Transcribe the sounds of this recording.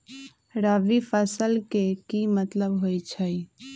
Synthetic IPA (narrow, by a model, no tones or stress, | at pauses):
ɾaːʋipʰəsəlkekimət̪ləbɦojt͡ʃʰəj